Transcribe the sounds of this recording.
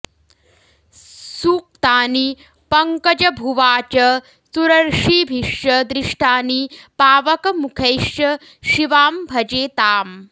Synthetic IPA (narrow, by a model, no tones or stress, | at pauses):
suːk̚t̪aːni | pɐŋkɐd͡ʒɐbʱuʋaːt͡ʃɐ | suɾɐɾʂiːbʱiʃjɐd̪ɾiʂʈʰaːnipaːʋɐkɐmukʰeːʃjɐ | ʃiʋaːmbʱɐd͡ʒeːt̪aːm